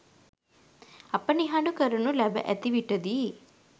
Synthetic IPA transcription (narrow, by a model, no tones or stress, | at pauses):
ɐpːɐniɦaːɖukɐɾɐnulɐbɐ̰ʔɐt̪iʋiʈːɐd̪i